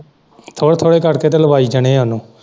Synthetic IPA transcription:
t̪ʰoːɽt̪ʰoːɽeːkəɽkeːt̪eːləbaːiːd͡ʒəɽ̃ẽːɦanũː

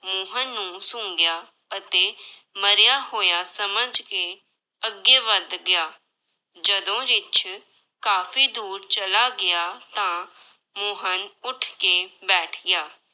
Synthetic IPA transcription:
mʊːɦənːũːsʊ̃ːŋɡɪjaː | ət̪eːməɾjaːɦoːjaːsəməd͡ʒkeː | əɡeːʋəd̪ɡɪjaː | d͡ʒəd̪õːɾɪt͡ʃʰ | kaːfʰiːd̪uːɾt͡ʃəlaːɡɪjaːt̪ãː | mʊːɦənʊʈʰkebɛːʈʰɡjaː

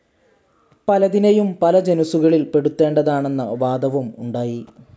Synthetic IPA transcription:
pɐlɐðinɐjumpɐlɐd͡ʑenɐsuɣɐɭilpe̞ɽut̪ːe̞ːɳɖɐðaːɳe̞nːɐʋaːd̪ʱɐʋɐmṵɳɖaːji

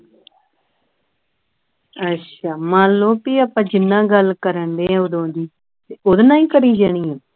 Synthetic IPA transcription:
ətːʃʰaːmãːlːõːpiːəpãːd͡ʒɪnːãːɡəlkəɾəɳd̪eːɛ̃ːod̪õːd̪iː | t̪eʊd̪nãːĩːkəɾiːd͡ʒaːɽ̃iːɛ̃ː

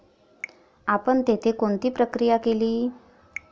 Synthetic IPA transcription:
apəɳt̪et̪ʰekoɳt̪iːpɾəkɾijakeliː

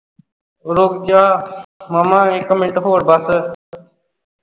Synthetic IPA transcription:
ʊɾoːɡd͡ʒaːmaːmãːẽːkːəmẽɳʈɦoːəɽbaːsə

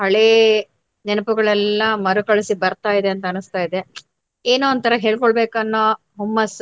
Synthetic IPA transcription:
ɦɐɭeː | nɛnɐpuɡɐɭɛlːɐmɐɾukɐɭisibɐɾt̪aːjid̪e̞ɐnt̪ɐːnust̪aːjid̪e | eːnoɐnt̪ʰɐɾɐɦe̞ːɭkoɭbe̞ːkɐnːoː | ɦumːɐs

